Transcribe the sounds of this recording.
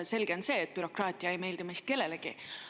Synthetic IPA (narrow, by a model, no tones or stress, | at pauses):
se̞lɡ̥eo̞nse̞ːt̪̚pyɾo̞krɑːt̪ʲːˑiɑejme̞ːld̪imejst̪̚ke̞lːe̞leɡ̥ḭ